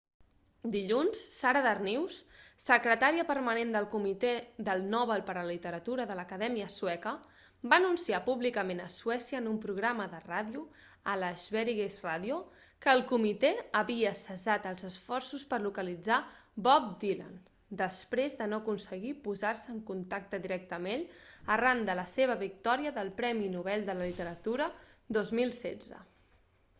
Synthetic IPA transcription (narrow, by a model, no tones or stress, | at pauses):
d̪iʎunsːaɾəðərniwssəkɾət̪aɾiəpəɾmənend̪əlˠkumit̪ed̪əlˠnɔβəlˠpəɾələlit̪əɾət̪uɾəðələkəðɛmiəswɛkə | baːnunsiapuβlikəmenəsuɛsiəːnumpɾuɣɾaməðəraðju | ələzβɛɾiɣezraðju | kəːlˠkumit̪eəβiəsəzat̪əlˠzəsfɔrsuspərlukəlid͡zabɔp̚d̪ila̰n | d̪əspɾezðənoəkunsəɣ̞ipuzarsəːŋkunt̪ak̚t̪əðiɾɛk̚t̪əmeʎərand̪ələseβ̞əβik̚t̪ɔɾiəðəlˠpɾɛminuβ̞ɛlˠd̪ələlit̪əɾət̪uɾəd̪ozmilˠsɛ̰d͡zə̰